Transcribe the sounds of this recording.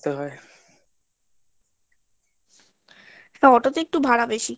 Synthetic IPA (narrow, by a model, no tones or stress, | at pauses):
t̪eɦɔe | ɛkaɔʈot̪ek̚ʈubʱaɾabeʃi